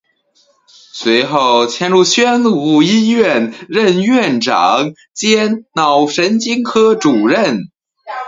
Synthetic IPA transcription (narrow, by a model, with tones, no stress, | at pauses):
swe˧˥ɪxo˥˩ʊt͡ɕʰjɛ˥˧nɻu˥˩ɕɥɛ˥nu˨˩i˥ɥɛ˥˩nɻə˥˧nɥɛ˥˩nʈ͡ʂɑ̰˨˩˦ŋ | t͡ɕjɛ˥nnɑ˨˩ʊʂə˧˥nt͡ɕi˥ŋkʰɤ˥ʈ͡ʂu˨˩ɻə˥˩n